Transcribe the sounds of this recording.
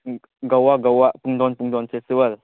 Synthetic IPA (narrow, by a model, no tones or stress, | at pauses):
ɡawaʔɡawaʔpuŋd̪ɔnpuŋd̪ɔnfesiwəl